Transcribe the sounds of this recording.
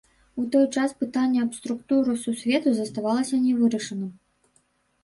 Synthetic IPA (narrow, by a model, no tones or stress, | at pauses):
ut̪ɔjt͡ʂaspɨt̪anʲːɐɐpst̪ɾukt̪uɾɨsusʲvʲɛt̪uzɐst̪avalˠɐsʲɐnʲɛvɨɾɐʂɐnɨm